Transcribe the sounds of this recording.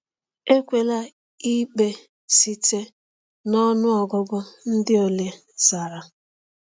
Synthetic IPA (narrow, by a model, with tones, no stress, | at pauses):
e˦kʷe˨la˦ | i˦k͡pe˨ | si˦te˦ | nɔ˦nʊ˦ɔ˨ɡɔ˦ɡʊ˦n̩˦dɪ˦o˨lje˨ | sa˨ɾa˨